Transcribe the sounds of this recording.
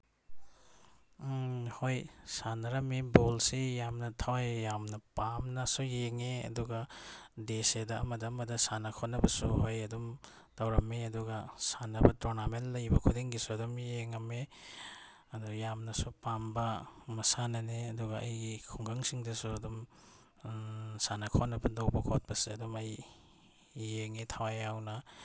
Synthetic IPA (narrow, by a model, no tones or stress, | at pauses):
hojsanɐɾɐmibolsijamnɐtʰɐwajjamnɐpamnɐsujeŋeɐ̰duɡɐdesedɐːmɐdɐːmɐdɐsanɐkʰotnːɐbɐsuhojɐdum | tɐwɾɐmːeɐduɡɐsanɐbɐtoɾnamenlɐjbɐkʰudiŋɡisuɐdumjeŋɐme | ɐdujamnɐsupambɐmɐsanɐneɐduɡɐɐ̰jɡikʰuŋɡɐŋsiŋdɐsuɐdum | sanɐkʰonːɐbɐdowbɐkʰot̚bɐsiɐdumɐj | eŋetʰawajjawnɐ